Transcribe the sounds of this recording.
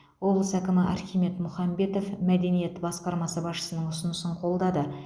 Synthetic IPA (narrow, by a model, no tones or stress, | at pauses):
wo̞blˠəsækʲɪmɪʔɑ̰ɾχʲime̞t̪mʊχɑmbe̞t̪o̞fmæd̪e̞nije̞t̪bɑsqɑɾmɑsəbɑsʃə̥sənəɴʊsənəsəɴqʰo̞lˠd̪ɑd̪ə